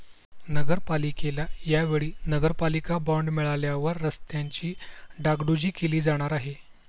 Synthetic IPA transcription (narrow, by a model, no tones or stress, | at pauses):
nəɡəɾpalikelajaʋeɭiːnəɡəɾpalikabɔɳɖmiɭaljaʋəɾːəst̪ʰjaɲt͡ɕiːɖaɡɽud͡ʑiːkeliːd͡zaɽ̃aɾaɦe